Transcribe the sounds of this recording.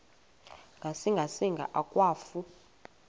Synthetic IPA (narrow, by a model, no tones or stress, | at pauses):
ŋɡʱasiŋɡʱasiŋɡʱa̰ʔakʼwaːfu